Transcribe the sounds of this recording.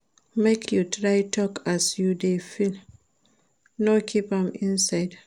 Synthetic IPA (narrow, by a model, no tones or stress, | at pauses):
mekʰjutʰɹaɪtʰɔkʰasjudefil | nɔkʰipãmĩnsaɪd